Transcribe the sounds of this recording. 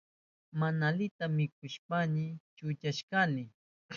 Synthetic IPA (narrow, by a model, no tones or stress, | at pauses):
manalɪt̪amːɪk̚ʊʃpanɪt͡ʃʊt͡ʃaʃkanɪ